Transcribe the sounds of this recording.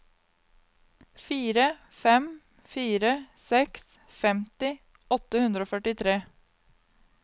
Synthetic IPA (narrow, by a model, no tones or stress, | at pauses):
fiːɾə | fɛm | fiːɾəsɛks | fɛmt̪ɪ | ɔt̪əhʉnd̪ɾəoːfœʈɪt̪ʰɾeː